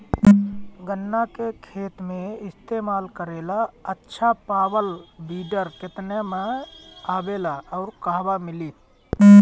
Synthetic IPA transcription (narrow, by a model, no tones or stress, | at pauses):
ɡənːakekʰeːt̪mẽɪst̪eːmaːlkəɾeːlaətːʃʰapaːbəlbiːɖəɾkɪt̪nemeaːbeːlaɔʊɾkaɦbamɪlit̪